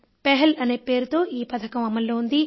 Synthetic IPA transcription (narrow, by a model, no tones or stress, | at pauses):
pɛɦɐlɐne̞ːpeːɾut̪o̞ːʔiːpɐt̪ʰɐkɐmɐmːɐlːo̞ːund̪i